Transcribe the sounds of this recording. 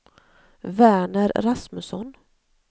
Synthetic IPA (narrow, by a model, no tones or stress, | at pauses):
væːɳəɾɾasmɵsɔn